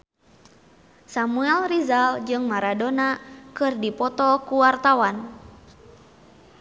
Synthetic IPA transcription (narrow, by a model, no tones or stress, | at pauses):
samuɛlrizald͡ʒɨŋmaɾadonakɨrdipɔt̪ɔkuwart̪awan